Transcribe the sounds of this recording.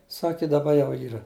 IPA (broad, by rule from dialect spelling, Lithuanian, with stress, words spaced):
ˈsɑːkʲɪ dɐˈbɐ ˈjɛʊ ˈiːrɐ